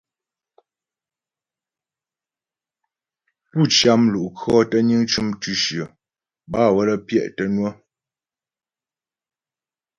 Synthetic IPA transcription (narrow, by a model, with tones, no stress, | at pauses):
pu˦˨t͡ʃja˦mlu˨ʔkʰɔ˦tə˦ɲi˦ŋt͡ʃu˦mtʉ˦ʃjə˨ | ba˦˨wə˦lə˦pjɛ̰˦˨ʔtə˦nwə˦